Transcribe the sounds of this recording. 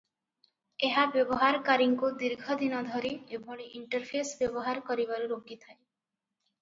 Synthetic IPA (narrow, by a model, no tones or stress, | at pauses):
eɦabjɔbɔɦaɾkaɾiŋkod̪iɾɡʱɔd̪inɔd̪ʱɔɾiebʱɔɽiʔiɳʈəɾpʰesbjɔbɔɦaɾkɔɾiβaɾuɾoɡit̪ʰaj